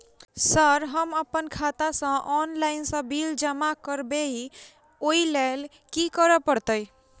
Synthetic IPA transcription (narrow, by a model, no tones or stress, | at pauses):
səɾɦəməpənkʰat̪asə̃ʔɔnlaɪnsə̃bild͡ʒəmakəɾbeɦi | oilel | kikəɾəpəɾt̪əj